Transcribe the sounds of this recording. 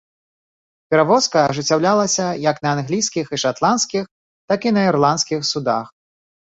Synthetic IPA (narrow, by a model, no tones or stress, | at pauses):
pʲɛɾavɔskɐʐɨt͡sʲːawlʲalˠɐsʲɐjɐknɐːnɣlʲijsʲkʲixiʂat̪lˠanskʲix | t̪akinɐirlˠant̪skʲixsud̪a̰x